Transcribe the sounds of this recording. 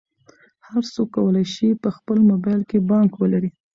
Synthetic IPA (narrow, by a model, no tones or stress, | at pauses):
haɾt͡sokːawəlajʃipəxpəlmobɑjlkebɑŋkwəlaɾi